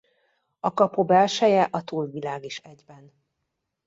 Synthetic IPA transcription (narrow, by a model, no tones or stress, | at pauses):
ɒkɒpobɛlʃɛjɛʔɒt̪uːlvilaːɡiʃɛɟbɛn